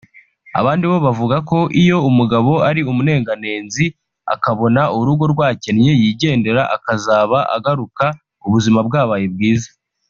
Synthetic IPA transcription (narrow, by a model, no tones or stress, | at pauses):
a̰βaːndiβo̞βavuɡako̞ʔijo̞umuɡaβo̞aɾiumune̞ːŋɡane̞ːnzi | a̰kaβo̞nauɾuɡo̞ɾɡwaːce̞nɲe̞jiːɟe̞ːnde̞ɾaʔakazaːβaʔa̰ɡaɾuka | uβuzimabɡaːβaːjeb̚ɡiːza